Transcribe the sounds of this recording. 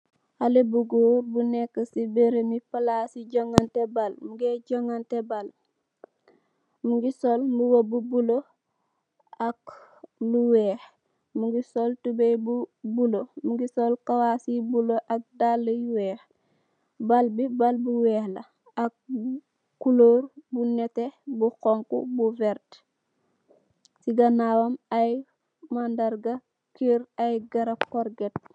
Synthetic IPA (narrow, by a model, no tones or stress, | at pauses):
halebuɡoːɾbunɛkːəsibeɾemipalasiɟoŋantebalmuɡeɟoŋantebal | muɡisolmbuwobubulo | akluwɛːx | muɡisoltubejbubulomuɡisolkawasibuloʔak̚dalːɐjuwɛːx | balbibalbuwɛːhlɐ | ak̚ | kuloːɾbunɛtebuxɔŋkṵbuvɛɾt | siɡanaːwamaj | mandaɾɡa | kiɾajɡaɾapkɔɾɡɛt̚